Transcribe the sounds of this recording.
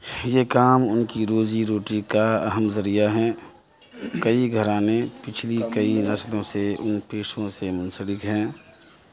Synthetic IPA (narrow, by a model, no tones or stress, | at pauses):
jeːkaːmʊnkiɾoːziɾoːʈikaɐɦəmzɐɾijaɦɛ̃ː | kəiɡʱəɾãːmẽpɪt͡ʃʰlikəinɐslõseʊnpeːʃõsemʊ̃nsəbɪkɦɛ̃ː